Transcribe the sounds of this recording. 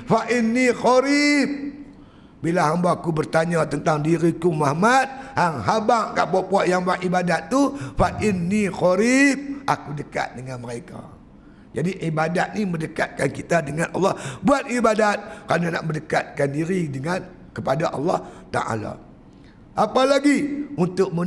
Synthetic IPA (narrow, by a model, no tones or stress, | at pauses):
faʔɪnːiɣɔɾip̚ | bilaɦambaːkubərt̪aɲat̪ənt̪aŋdiɾikumahmat̪̚haŋɦabaŋkaʔpɔpɔʔjaŋbaʔʔibadat̪ːufaʔɪnːiɣɔɾip̚ʔakudəka̰t̪̚dəŋanməɾeka̰ | d͡ʒadiʔibadat̪̚niməndəka̰t̪̚kankit̪adəŋanʔɑ̰lːɑhbuat̪̚ibadat̪̚kəɾanana̰ʔməndəkat̪̚kandiɾidəŋan | kəpadaʔɑlːɑht̪a̰ʔa̰la̰ | ʔapalaɡiunt̪ʊk̚mə